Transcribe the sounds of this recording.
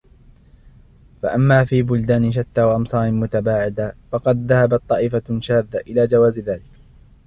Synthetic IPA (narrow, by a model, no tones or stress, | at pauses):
faʔamːaːfiːbʊld̪aːnʃ̬at̪ːaːwaʔɑmsˤɑːɾɪnmʊt̪abaːʕɪd̪afɑqɑd̪̚ðahabat̪ˤːɑːʔɪfaʃaːd̪ːaʔɪlaːd͡ʒawaːzðaːlɪk